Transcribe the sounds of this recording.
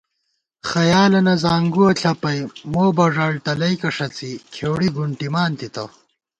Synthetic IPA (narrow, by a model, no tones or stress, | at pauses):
xɐjaːlɐnɐzaːŋɡuɐɬʰɐpɐjmoːbɐʐaːɭt̪ɐlɐjkɐʂɐt͡sikʰeːwɽiɡuɳʈimaːnt̪it̪ɐ̰